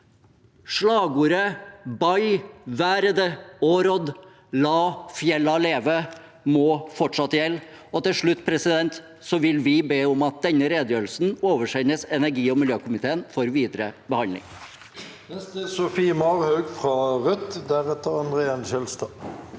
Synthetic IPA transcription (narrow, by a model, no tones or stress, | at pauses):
ʂɭɑːɡuːɾəbɑɪʋæːɾəd̪əoːɾɔd̪ | lɑːfjɛlːɑleːʋə | mɔfɔʈʂɑt̪ːəjɛlː | ɔt̪ɪlʂɭʉt̪ːpʰɾɛsɪd̪ɛnt̪ | sɔʋɪlʋɪbeːʊmɑt̪̚d̪ɛnːəɾeːd̪əjøːɾl̩sn̩oːʋəʂɛnːəsɛnæɾɡiːɔmɪljøːkʊmɪt̪ʰeːənfɔɾʋiːd̪ɾəbəhɑnlɪ̰ŋ | nɛst̪əsʊfiːəmɑʁhœɡfʁɑʁœt̪d̪æʁɛt̪əʁɑnd̪ʁeːɑnçɛlst̪ɑ